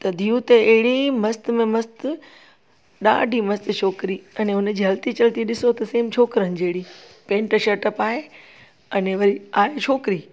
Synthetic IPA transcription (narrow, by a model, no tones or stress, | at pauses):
t̪ɐd̪ʱijũt̪eɐɦɪɽimɐst̪mẽmɐst̪ʊ | ɗa̰ːɖʱimɐst̪t͡ʃʰoːkɾiɐneʊnd͡ʑiːɦɐlt̪it͡ɕɐlt̪iɗɪsot̪ɐseːmt͡ɕʰoːkɾənɪ̆d͡ʑeɦɪɽipẽːɳʈʃɐʈəpaːɦe | ɐneʋɐɾiaːɦet͡ɕʰoːkɾiː